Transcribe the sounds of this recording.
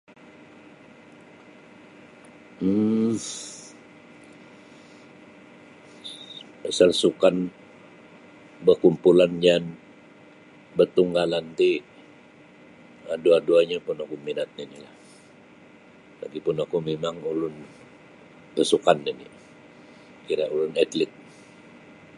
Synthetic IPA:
m̩ | əsalsukan | bəkumpuland͡ʒan | bət̪uŋɡalant̪i | aduaduaɲapʊnakuminat̪̚ninilah | la̰ɡipʊnakumemaŋulʊn | bəsukanːini | kiɾaʔulʊnɛt̪lɪt̪̚

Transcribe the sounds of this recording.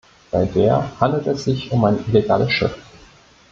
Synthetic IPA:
b̥aɪdeːɐhandl̩tɛsz̥ɪçʊmaɪnʔileɡaːləsʃɪ̰f

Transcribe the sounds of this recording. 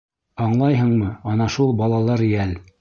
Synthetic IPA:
ɑɴlˠɑjɦɤ̆ɴmɤɑnɑʃulˠbɑlˠɑlˠɤɾɪælʲ

